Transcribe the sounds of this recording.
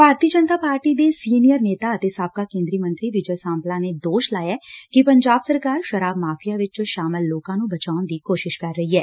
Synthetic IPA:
bʱaːɾt̪iːəd͡ʒənt̪aːpaːɾʈid̪eːsiːnijəɾneːt̪aət̪esaːb̚kakẽːnd̪ɾimə̃nt̪ɾiʋɪd͡ʒəsãːmplãned̪oːʃlaːjaːkipəɲd͡ʒaːbsəɾkaːɾʃəɾaːbmaːfʰijaʋɪt͡ʃʃaːməlːoːkãːnũbət͡ʃaːʊnd̪iːkoːʃɪʃkɐɾːəɦiɦɛː

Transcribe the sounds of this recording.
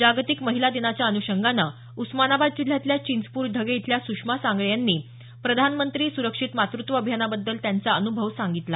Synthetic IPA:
d͡ʑaɡt̪ikməɦilad̪eɽ̃at͡ɕjaənuɕəŋɡana | usmanabad̪̚d͡ʑud̪ʱjat̪ljat͡ɕind͡zpuːɾd̪ʱəɡeit̪ʰljasukʂmasaŋɡɭjanːiː | pɾəd̪ʱanmənt̪ɾiːsuɾəkʂit̪mat̪ɾut̪ʋəːbʱjanabəd̪ːəlt̪jant͡saənubʱəʋsaŋɡit̪la

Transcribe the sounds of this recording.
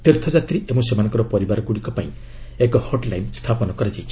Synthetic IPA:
t̪eɾt̪ʰɔd͡ʒat̪ɾiʔemũsemanɔ̃ŋkɔɾɔpɔɾibaɾɔkuɽikɔpaĩ | ekɔhɔʈlajnst̪ʰapɔnɔkɔɾad͡ʒajt͡ʃʰi

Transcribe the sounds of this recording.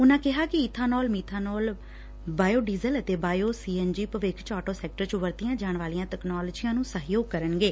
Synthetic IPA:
ʊnãːkɪɦaːkɪɪt̪ʰːaːnɔːlmiːt̪ʰaːnɔːl | baːjoːɖiːzələt̪eːbaːjoːsiːɛnd͡ʒiːpəʋekʰt͡ʃɔːʈoːsɛːk̚ʈəɾt͡ʃʋəɾt̪ijãːd͡ʒaːɳʋaːlijãːt̪ɛːknɔːləd͡ʒiːjãːnũːsəɦjoːɡ̚kəɾənɡeː

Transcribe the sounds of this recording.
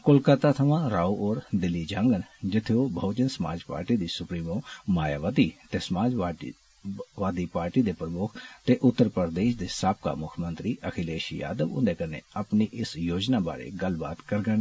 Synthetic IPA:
kʊlkat̪aːt̪ʰəʋãːɾaːuʔoːɾd̪ɪlːiːd͡ʒãːŋɡənd͡ʒɪt̪ʰːeoːbʱoːd͡ʒənsəma̰ːd͡ʒpa̰ːɾʈiːd̪iːsʊpɾiːmõːmaːjaːʋaːd̪iːt̪eːsəmaːd͡ʒaː | ʋaːd̪iːpaːɾʈiːd̪eːpɾəmʊkʰt̪eːʔʊt̪ːəɾpəɾd̪eːʃd̪eːsaːp̚ka̰ːmʊkʰmə̃nt̪ɾiːʔəkʰɪleːʃḭja̰ːd̪əʋʊ̰nd̪eːkənḛːəpniːʔɪsjoːd͡ʒnaːba̰ːɾḛɡəlbaːt̪kəɾɡən

